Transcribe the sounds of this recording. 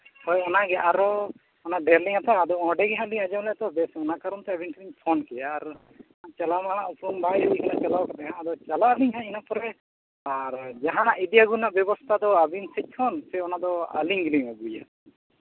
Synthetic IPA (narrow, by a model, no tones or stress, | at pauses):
hɔjɔnaɡɛʔaɾɔ | ɔnaʔɖɛɾliŋat̪aːd̪ɔɔ̃ɖɛɡɛɦaliŋad͡ʒawlɛt̪ɔbɛsɔnakaɾɔnt̪ɛabinkliŋpʰɔnkɛjaɾ | at͡ʃalamañaʔupɾumbajad̪ikʰinaʔt͡ʃalawkat̪ɛɦãːd̪ɔt͡ʃalaliŋɦãinapɔɾɛ | aɾd͡ʒaɦaɽaʔid̪ijaɡunaʔbjɔbɔst̪ʰad̪ɔabinsɛc̚ˀkʰɔnsɛɔnad̪ɔa̰liŋɡliŋabuja̰